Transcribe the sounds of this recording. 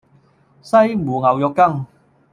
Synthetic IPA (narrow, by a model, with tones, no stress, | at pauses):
sɐ˥jmuː˨˩ŋɐ˨˩wjɔ˨˧kːɐ˥ŋ